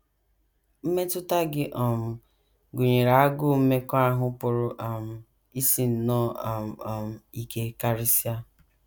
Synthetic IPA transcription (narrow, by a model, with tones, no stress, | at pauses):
m̩˦me˦tʊ˦ta˦ɡɪ˦ʔɔ˨m̩˨ | ɡʊ˨ɲe˨ɾa˨a˦ɡʊ˦m̩˦me˦ka˦ɦʊ˦pʊ˨ɾʊ˦ʔa˨m̩˨ | i˦si˨n̩˨nɔ˦˨a˨ɔ˨m̩˨i˨ke˦ka˦ɾɪ˦si˦a˦